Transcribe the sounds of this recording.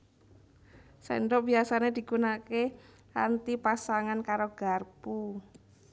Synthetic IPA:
sɛ̰ndɔʔbiasaned̪̥i̤ɡunake | a̰nt̪ipasaŋankaɾoɡ̥a̤rpu

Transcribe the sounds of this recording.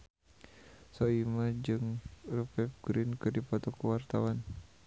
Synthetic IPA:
sɔimad͡ʒɨŋrəpɛp̚ɡɾinkɨrdipɔt̪ɔkəwart̪awan

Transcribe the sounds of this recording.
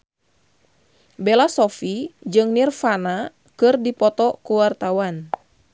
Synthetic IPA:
bɛlasɔfid͡ʒɨŋnirfana | kɨrdipɔt̪ɔkuwart̪awan

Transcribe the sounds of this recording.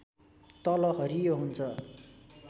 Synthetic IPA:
t̪ʌlʌɦʌɾijoɦunt͡sʰʌ

